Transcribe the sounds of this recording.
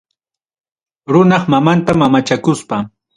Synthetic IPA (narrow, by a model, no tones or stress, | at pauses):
ɾʊnɑχmamant̪amamat͡ʃakʊspa